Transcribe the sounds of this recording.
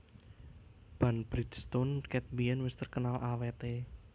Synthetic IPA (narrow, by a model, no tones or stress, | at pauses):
b̥anb̥ɾidst̪onkɛt̪̚biɛnwɪst̪ərkənalʔawet̪e